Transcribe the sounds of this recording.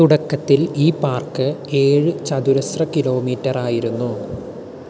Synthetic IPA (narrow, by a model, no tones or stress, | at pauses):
uɽɐkːɐt̪ːiliːpaːrkɨe̞ːɻɨt͡ɕɐd̪uɾɐsrɐkilo̞ːmiːtːɐraːjiɾunːu